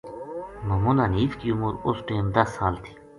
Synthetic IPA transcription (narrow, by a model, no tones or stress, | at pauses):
mɐːmuːləniːfkiːʊmuːɾʊsʈeːmd̪ɐsːaːlt̪ʰi̥ː